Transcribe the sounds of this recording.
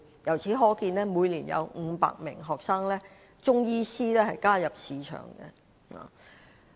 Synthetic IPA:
jɐ˨˩wt͡sʰiː˨˥ɦɔː˨˥kiː˧nlɛː˥muː˨˧jliː˨˩njɐ̰˨˧wŋ̩˨˧pa̰ː˨k̚mɪ̰˨˩ŋɦɔː˨k̚saː˥ŋlɛː˥ | t͡ʃʊ˥ŋjiː˥siː˥lɛː˥hɐ˨jkaː˥jɐ˨p̚siː˨˧t͡ʃʰœ̰ː˨˩ŋɡɛ̰˧ | a̰ː˨˩

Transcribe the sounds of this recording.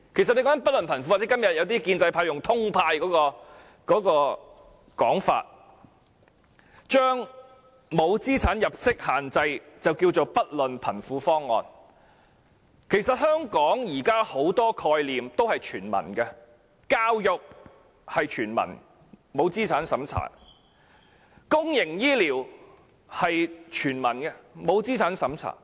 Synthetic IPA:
kʰe˨˩jsɐ˨ne˧kɔ˥ŋɐ˥pɐ˥t̚lɵ˨npʰɐ˨˩nfu˧˥waː˨˩t͡sɛ˦˥kɐ˥mjɐ˨t̚jɐ˨˧wt̪iː˥kiː˧nt͡sɐ˧jpʰaː˧jʊ˨ŋt̪ʰʊ˥ŋpʰaː˧jkɔː˨˥kɔː˧ | kɔː˨˥kɔː˧ | kɔː˨˥ŋfa̰ː˧t̚ | t͡ʃœː˥ŋ | mo˨˧wt͡siː˥t͡sʰaː˨˥njɐ˨p̚sɪ˥k̚haː˨nt͡sɐ˧jt͡sɐ˨wkiː˧wt͡ʃo˨wpɐ˥t̚lɵ˨npʰɐ˨˩nfuː˨˥fɔː˥ŋːɔ̰ː˨n | kʰe˨˩jsɐ˨t̚hœː˥ŋkɔː˨˥ŋjiː˨˩kaː˥ho˨˥wt̪ɔː˥kʰɔː˧jliː˨mt̪o˥whɐ˨jt͡ʃʰyː˨˩nmɐ̰˨˩nkɛ˧ | kaː˧wjʊ˨k̚ | hɐ˨jt͡ʃʰyː˨˩nmɐ̰˨˩n | mo˨˧wt͡siː˥t͡sʰaː˨˥nsɐ˨˥mt͡sʰa̰ː˨˩ | kʊ˥ŋjɪ˨˩ŋjiː˥liː˨˩w | hɐ˨jt͡ʃʰyː˨˩nmɐ˨˩nkɛ˧mo˨˧wt͡siː˥t͡sʰaː˨˥nsɐ˨˥mt͡sʰa̰ː˨˩

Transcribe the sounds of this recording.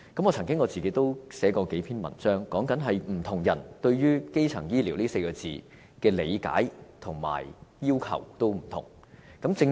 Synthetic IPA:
kɐ˨˥mŋɔː˨˧t͡sʰɐ˨˩ŋkɪ˥ŋɔ˨˧t͡siː˨ke˨˥jt̪o˥wsɛː˨˥kɔː˧ke˨˥jpʰiː˥nmɐ̰˨˩nt͡sœː˥ŋkɔː˨˥ŋkɐ˨˥nɦɐ˨jm̩˨˩t̪ʰʊ˨˩ŋjɐ˨˩nt̪ɵ˧ɥɥyː˥ke˥jt͡sʰɐ̰˨˩ŋjiː˥liː˨˩wliː˥se˧jkɔː˧t͡siː˨ | kɛː˧le˨˧jka̰ː˨˥jt̪ʰʊ˨˩ŋma̰ː˨˩jjiː˥wkʰɐ̰˨˩wt̪o˥wm̩˨˩t̪ʰʊ̰˨˩ŋ | kɐ˨˥mt͡sɪ˧ŋ

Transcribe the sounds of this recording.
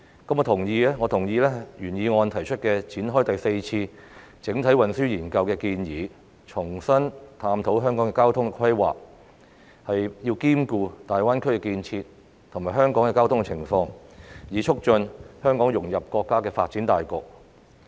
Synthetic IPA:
kɐ˧mɔ˧t̪ʰʊ˨˩ŋjiː˨˧lɛː˥ŋɔː˨˧t̪ʰʊ˨˩ŋjiː˨˧lɛː˥jyː˨˩njiː˨˧ŋɔː˧nt̪ʰɐ˨˩jt͡ʃʰɵ˥t̚kɛː˧t͡sʰiː˨˥nɦɔː˥jt̪ɐ˨jse˧jt͡sʰiː˧ | t͡sɪ˨˥ŋt̪ʰɐ˨˥jwɐ˨nsyː˥jiː˨˩nkɐ˧wkɛː˧kiː˧njiː˨˧ | t͡sʰʊ˨˩ŋsɐ˥nt̪ʰaː˧mt̪ʰo˨˥wɦœː˥ŋkɔː˨˥ŋkɛː˧kaː˥wt̪ʰʊ˥ŋkɛ˧kʰwɐ˥jwa̰ː˨˩k̚ | hɐ˨jjiː˧wkiː˥mkuː˧t̪aː˨jwaː˥nkʰɵ˥ɥkɛː˧kiː˧nt͡sʰiː˧t̪̚ | t̪ʰʊ˨˩ŋmaː˨˩jɦœː˥ŋkɔː˨˥ŋkɛ˧kaː˥wt̪ʰʊ˥ŋɛ˧t͡sʰɪ˨˩ŋfɔː˧ŋjiː˨˧t͡ʃʰʊ˥k̚t͡ʃɵ˧nhœː˥ŋkɔː˨˥ŋjʊ˨˩ŋjɐ˨p̚kɔː˧kːaː˥kɛː˧faː˧t̚t͡siː˨˥nt̪aː˨jkɔː˧k̚

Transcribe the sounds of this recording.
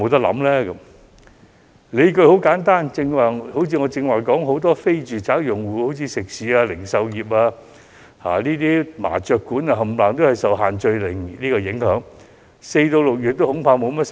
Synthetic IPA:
o˨˧wt̪ɐ˥k̚lɐ̰˨˥mlɛː˥kɐ˨˧˥m | le˨˧jkɵ˧ɥho˨˥wkaː˨˥nt̪aː˥nt͡sɪ˧ŋwaː˨˩ho˨˥wt͡sʰiː˧ŋɔː˨˧t͡sɪ˧ŋwaː˨jkɔː˨˥ŋɦo˨˥wt̪ɔː˥fe˥jt͡ʃyː˨t͡saː˨˥wjʊ˨˩ŋwuː˨˩ho˨˥wt͡sʰiː˨˧sɪ˨k̚siː˨˥aː˧lɪ˨˩ŋsɐ˨wjiː˨p̚aː˧ | ha̰ː˨˩niː˥t̪iː˥ma̰ː˨˩t͡ʃœː˧kːuː˨˥na˧ɦɐ˨˩mlaː˨ŋt̪o˥whɐ˨˩jsɐ˨wɦaː˨˩nt͡ʃɵ˧jlɪ˨˩ŋliː˥kɔː˧jɪ˨˥ŋhœː˨˥ŋ | se˧jt̪o˧lʊ˨k̚jyː˨t̪̚ːo˥whʊ˨˥ŋpʰaː˧wmo˨˧wmɛ˥s

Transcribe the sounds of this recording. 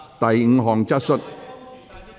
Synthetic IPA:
t̪ɐ˨jŋ̩˨˧ɦɔː˨˩ŋt͡sɐ˥t̚sɵ˥t̚

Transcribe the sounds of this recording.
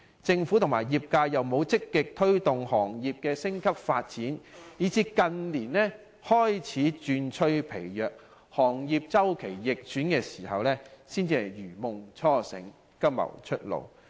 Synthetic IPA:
t͡sɪ˧ŋfuː˨˥t̪ʰʊ˨˩ŋmaː˨˩jiː˨p̚kaː˧jjɐ˨wmo˨˧wt͡sɪ˥kːɪ˨k̚t̪ʰɵ˥ɥt̪ʊ˨ŋhɔː˨˩ŋjiː˨p̚kɛː˧sɪ˥ŋkʰɐ˥p̚faː˧t̚t͡siː˨˥njiː˨˥t͡siː˧kɐ˧nliː˨˩nlɛː˥ | hɔː˥jt͡sʰiː˨˥t͡ʃyː˧nt͡ʃʰɵ˥ɥpʰe˨˩jjœː˨k̚ | hɔː˨˩ŋjiː˨p̚t͡sɐ˥wkʰe˨˩jjɪ˨k̚t͡ʃyː˨˥nkɛː˧siː˨˩hɐ˨wlɛː˥siː˥nt͡siː˧hɐ˨˩jjyː˨˩mʊ˨ŋt͡sʰɔː˥sɪ̰˨˥ŋ | kɐ˥p̚mɐ̰˨˩wt͡ʃʰɵ˥t̚lo̰˨˩w

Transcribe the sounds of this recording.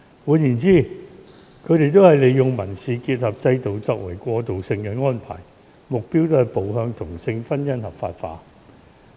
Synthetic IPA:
wuː˨˧njiː˨˩nt͡siː˥˩ | kʰɵ˨˧ɥt̪e˨jt̪o˥whɐ˨jle˨˧jːʊ˨ŋmɐ˨˩nsiː˨kiː˧t̚hɐ˨p̚t͡sɐ˧jt̪o˨wt͡sɔː˧k̚wɐ̰˨˩jkʷɔː˧t̪o˨wsɪ˧ŋkɛ˧ŋɔː˥npʰa̰ː˨˩j | mʊ˨k̚piː˥wt̪o˥ɐ˨˩jpo˨wɦœː˧ŋt̪ʰʊ˨˩ŋsɪ˧ŋfɐ˥njɐ˥nhɐ˨pfa̰ː˧tfa̰ː˧

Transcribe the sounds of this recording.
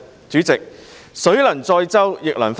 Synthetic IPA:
t͡ʃyː˨˥t͡sɪ˨k̚sɵ˨˥ɥlɐ˨˩nt͡sɔː˧jt͡sɐ˥wjɪ˨k̚lɐ˨˩nf

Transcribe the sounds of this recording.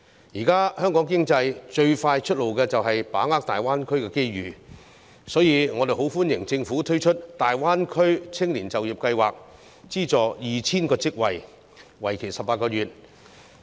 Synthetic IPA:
jiː˨˩kaː˥hœː˥ŋkɔː˨˥ŋkɪ˥ŋt͡sɐ˧jt͡ʃɵ˧ɥfaː˧jt͡ʃʰt̚lo˨wkɛː˧t͡sɐ˨wɦɐ˨jpaː˨˥ŋaː˥k̚t̪aː˨˩jwaː˥nkʰɵ˥ɥkɛː˧ke˥jɥyː˨ | sɔː˨˥jiː˧ŋɔː˨˧e˨jɦo˨˥wfuː˥njɪ˨˩ŋt͡sɪ˧ŋfuː˨˥t̪ʰɵ˥ɥt͡ʃʰɵ˥t̚t̪aː˨jwaː˥nkʰɵ˥ɥt͡sʰɪ˥ŋliː˨˩nt͡sɐ˨wjiː˨p̚kɐ˧jwaː˨˩k̚ | t͡siː˥t͡sɔː˨jiː˨˩t͡sʰiː˥nkɔː˧t͡sɪ˥k̚wɐ˨j | wɐ˨˩jkʰe˨˩sɐ˨pːaː˧t̚kɔː˧jyː˨˩t̚

